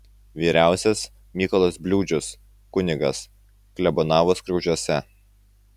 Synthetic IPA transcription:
ʋʲiːɾʲæˑʊsʲɛs | mʲiːkɔlˠoːsbʲlʲuːd͡ʒʲʊs | kʊnʲɪɡɐs | klʲɛbɔnɑːʋoːskɾɐʊʒʲuɔsʲɛ

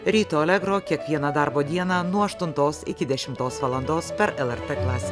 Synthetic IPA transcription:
ɾʲiːt̪oːɛlʲɛɡɾoːkʲiɛkʋʲiɛnɐd̪ɑɾboːd̪ʲiɛnɑːnuɔɐʃt̪ʊnt̪oːsɪkʲɪd̪ʲɛʃʲɪmt̪oːsʋɐlˠɐnd̪oːspʲɛɾɛlˠɛɾt̪eːklˠɑːsʲeː

